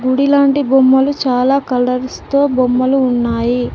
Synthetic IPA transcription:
ɡuɽilaːɳʈibomːɐlut͡ʃaːlaːkɐlɐɾst̪o̞ːbomːɐluːnːaːji

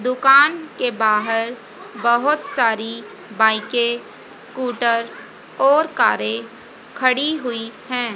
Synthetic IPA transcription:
d̪ʊkaːnkebaːɦəɾ | bɐɦʊt̪saːɾi | baːɪke | skuːʈəɾ | ɔːɾkaːɾe | kʰəɽiɦʊihɛ̃ː

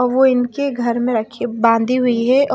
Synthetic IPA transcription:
ɔːɾʋoɪnkeɡʱɐɾmẽɾɐkʰebãːnd̪ʱiɦʊiɦɛʔ

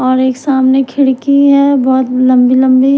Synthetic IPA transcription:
ɔːɾeːksaːmnekʰɪɽkiɦɛbɔːt̪lɐ̃mbilɐ̃mbi

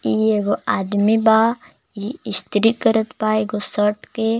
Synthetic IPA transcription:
ieɡoaːd̪mibaː | jiist̪ɾikəɾət̪baeɡosəʈke

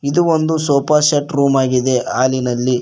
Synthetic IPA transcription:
id̪uond̪usoːpɐʃɐʈɾuːmaːɡid̪e̞aːlinɐlːi

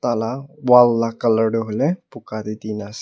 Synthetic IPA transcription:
t̪alawalːakələɽɦulepukad̪it̪inas

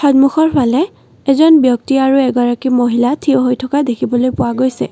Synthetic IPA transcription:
xɔdmuxɔɹpʰalɛ | ɛzɔnbjɔk̚tiaɹuɛɡɔɹakimoɦilatʰioɦojtʰɔkadekʰibɔlojpʊwaɡojsɛ̰

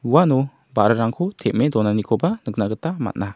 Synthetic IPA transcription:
uwanɔ | baɾɯɾaŋkʰɔtʰɛʔ̚medɔnanikʰɔbanək̚naɡətama̰t̚na

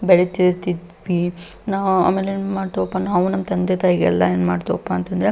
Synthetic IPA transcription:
bɛɭet̪iɾt̪id̪ʋinaːʋua̰ːmeːlenmaːɽt̪oʋɔpːanaːʋunɐmːɐt̪ɐnd̪et̪aːɦiɡɛ̰lːɐeːnma̰ːɖt̪oʋɔpːaːnt̪ɐnd̪ɾe

